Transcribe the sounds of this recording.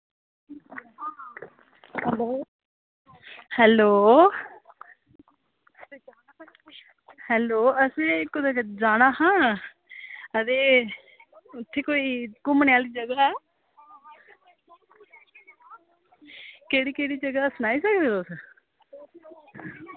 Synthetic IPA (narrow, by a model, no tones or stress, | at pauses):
hɛːloː | hɛːloːəsẽkʊd̪akd͡ʒaːɽ̃aːhãː | əd̪eː | ʊt̪ʰːeːkoːiːkʊmneaːliːd͡ʒəɡaɛː | keːɽiːkeːɽiːd͡ʒəɡaːsnaːiːsəkd̪eːt̪os